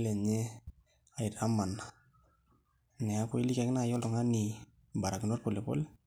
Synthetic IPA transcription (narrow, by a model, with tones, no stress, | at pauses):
le˨ɲe˦ | a˨i˨ɾa˦ma˨na | nɛ˨a˦ko˦i˦li˦kɛ˨kɪ˦na˦˨jɔ˦ltɔ˨ŋa˦ni˨ | ba˨ɾa˨kino˦rpo˨le˨po̰˦le˦